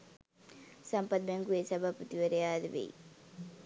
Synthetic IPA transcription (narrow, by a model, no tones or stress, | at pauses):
sɐmpɐt̪̚meŋɡuesɐbʱapːɐt̪iʋɐɾejaːd̪ɐʋḛj